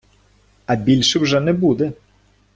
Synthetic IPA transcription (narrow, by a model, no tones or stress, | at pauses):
ɐbʲilʲʃɨwʐɛnɛbud̪ɛ